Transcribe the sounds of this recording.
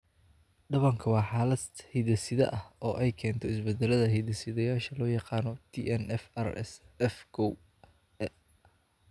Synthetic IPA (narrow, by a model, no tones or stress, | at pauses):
ɖɐβɐŋkʰɐwɑːħɑːlɐhiðɐsɪðɐ̰ʔɐhɔːʔɛjkʰɛːnt̪ʰɔɪsbɛd̪ɛlɐðɐɦɛjðɐsɪðɐjaːʃɐlɔːjɑqɑːnɔt̪ʰiʔɛnɛfɛrɛ̰s | ɛfkʰɔw